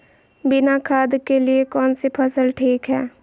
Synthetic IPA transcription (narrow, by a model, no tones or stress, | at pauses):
bɪnakʰaːd̪keliekɔːnsepʰəsəlʈʰiːkɦɛː